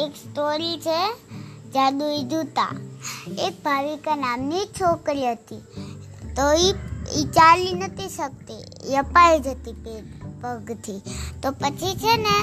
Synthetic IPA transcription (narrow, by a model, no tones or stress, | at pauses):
eksʈoɾit͡ʃʰed͡ʒad̪uid͡ʒut̪a̰ | ek̚bʱaʋikanamniek̚t͡ʃʰokɾiɦət̪i | t̪oiit͡ʃalinət̪ʰiʃək̚t̪e | jəpaid͡ʒʱət̪ipepəɡt̪ʰit̪opət͡ʃʰit͡ʃʰene